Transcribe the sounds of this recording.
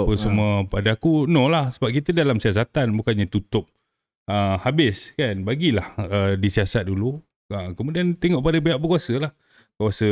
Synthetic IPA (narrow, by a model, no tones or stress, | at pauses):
pəsəmuəpadaːkunõlahsəbap̚kit̪ədalamsias̬at̪anbukanɲat̪ut̪ʊp̚ | əhabɪskanbaɡilahədisiasat̪̚dulu | əkəmudiant̪eŋɔʔpadəbeaʔbəkuasəlah | kuasə